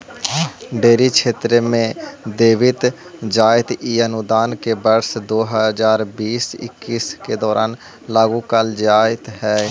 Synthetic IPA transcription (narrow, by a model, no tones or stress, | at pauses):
ɖeːɾikʃʰeːt̪ɾemẽd̪eːʋɪt̪ | d͡ʒaːɪt̪iənʊd̪aːnkebəɾsd̪oːɦəzaːɾbiːsɪ̰kːiːsked̪ɔːɾʔaːn | laːɡũkaːld͡ʒaːɪt̪ɦɛː